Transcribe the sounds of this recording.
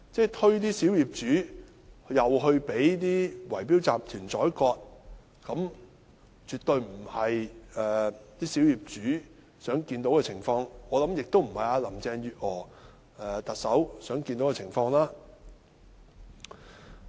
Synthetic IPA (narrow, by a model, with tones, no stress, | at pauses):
t͡sɛː˥t̪ʰɵ˥ɥt̪iː˥siː˨˥wjiː˨˩p̚t͡ʃyː˨˥ | jɐ˨wɦɵ˧ɥpe˨˥jt̪iː˥wɐ˨˩jpiː˥wt͡saː˨p̚t̪ʰyː˨˩nt͡sɔː˨˥jkɔː˧t̚ | kɐ˨˥m | t͡ʃyː˨t̪ɵ˧ɥm̩˨˩hɐ˨jɛː˨˩t̪iː˥si˨˥wjiː˨˩p̚t͡ʃyː˨˥ | sœː˨˥ŋkiː˧nt̪o˨˥wkɛː˧t͡sʰɪ˨˩ŋfɔː˧ŋɔː˨˧lɐ˨˥mjɪ˨k̚t̪o˥wm̩˨˩hɐ˨jaː˧lɐ˨˩mt͡sɛː˧ŋjyː˨t̚ʔɔː˨˩ | ɛː˨t̪ɐ˨t̚sɐ˨˥wsœː˨˥ŋki˧nt̪o˨˥wkɛ˧t͡sʰɪ˨˩ŋfɔː˧ŋlaː˥